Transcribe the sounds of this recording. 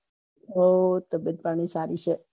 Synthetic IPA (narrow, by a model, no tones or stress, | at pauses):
ot̪əbət̪̚paɽ̃isaɾit͡ʃʰe